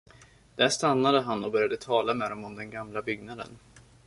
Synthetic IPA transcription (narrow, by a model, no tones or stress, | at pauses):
d̪̥æʂt̪anːad̪əɦanɔbœɾjad̪ət̪ʰɑːlamɛd̪ɔmɔmd̪ɛnɡamlabʏɡnad̪ə̰n